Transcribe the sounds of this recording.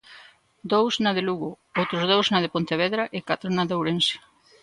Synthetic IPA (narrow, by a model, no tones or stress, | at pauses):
d̪owsnɐðɪluɣʊ | owt̪ɾʊzðowsznaðɪpont̪eβ̞ɛðɾaʔɪkat̪ɾʊnaðowɾensɪ̥